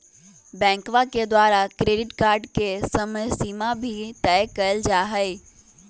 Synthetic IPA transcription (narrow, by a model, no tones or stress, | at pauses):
bɛ̃ːŋkʋaked̪waːɾakɾeːɖɪʈkaːɾɖkesəməjsiːmabʱit̪ɛjkəəld͡ʒaːɦəɪ